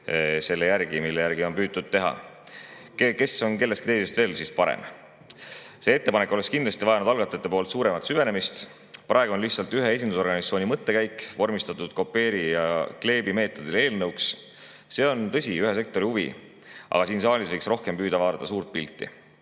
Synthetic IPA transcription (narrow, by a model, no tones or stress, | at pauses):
se̞lːejærɡ̥imilːejæɾɡ̥io̞npyːd̪̚t̪ːud̪̥̚t̪ːe̞ɦɑ̰ | keke̞so̞nke̞lːest̪kit̪e̞jse̞st̪ve̞ːlsiːspɑɾḛm | se̞ːet̪ːe̞pɑnekːˑoleskind̪lɑst̪ivɑjɑnud̪̥ɑlɡ̥ɑt̪ːˑet̪ːe̞po̞ːlt̪suːɾe̞mɑt̪syve̞ne̞mist̪ | prʔɑeɡuo̞nliçt̪sɑlt̪yɦee̞s̬ʲind̪uso̞rɡɑnit̪soːnʲimɤt̪ːe̞kæjkːˑvo̞rmist̪ɑt̪ːˑud̪̥ko̞pːe̞ːɾijɑkle̞ːbime̞ːt̪ːˑo̞d̪̥ile̞ːlnɤwks | se̞ːo̞nt̪ɤ̞sʲiyɦes̬e̞k̚t̪o̞ɾihuvḭ | ʔɑ̰ɡ̥ɑsiːnsɑːlʲisvɤjksro̞hke̞mpyːd̪ɑvɑːd̪ɑt̪ːɑs̬uːrt̪̚pilt̪ːˑḭ